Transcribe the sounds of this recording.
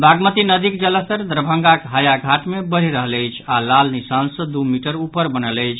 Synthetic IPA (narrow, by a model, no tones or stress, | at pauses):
bʱaɡmət̪inəd̪ikd͡ʒələɦt̪əɾd̪ɾbʱə̃ŋɡakɦajaɡʱaʈmebəɾ̤iɾəɦələjt͡ʃʰalalnisansə̃d̪umiʈəɾupəɾbənələjt͡ʃʰ